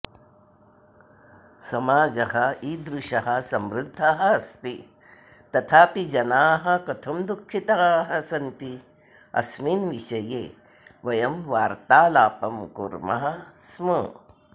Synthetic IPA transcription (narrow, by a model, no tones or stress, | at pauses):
sɐmaːd͡ʒɐhɐiːd̪ɾuʃɐɦɐsɐmɾɪd̪ʱːaɦɐ̆ɐst̪i | t̪ɐt̪ʰaːpid͡ʒɐnaːɦɐ̆kɐt̪ʰɐmd̪ukʰːit̪aːɦɐsɐnt̪i | ɐ̰smiːnʋiʃɐjḛː | ʋɐjɐmʋaːɾt̪aːlaːpɐmkṵɾmɐ̰ɦɐ̆smɐ